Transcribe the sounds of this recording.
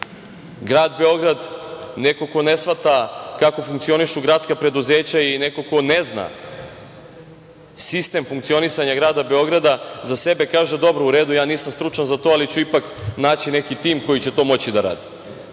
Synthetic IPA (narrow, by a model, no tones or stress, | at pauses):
ɡɾaːd̪be̞o̞ɡɾad̪ne̞ko̞ko̞nesʋat̪akako̞fuŋkt̪sio̞niʃuɡɾat̪skapɾe̞d̪uze̞ːt͡ɕaineko̞ko̞nezna̰ | sist̪e̞mfuŋkt̪sio̞nisaɲaɡɾaːd̪abe̞o̞ɡɾad̪azase̞be̞kaːʒe̞d̪o̞bɾouɾeːd̪ujaːniːsamst̪ɾut͡ʃanzat̪oːalit͡ɕuipaknaːt͡ɕine̞kit̪iːmko̞jit͡ɕe̞t̪o̞ːmo̞t͡ɕid̪aɾa̰ːd̪i̥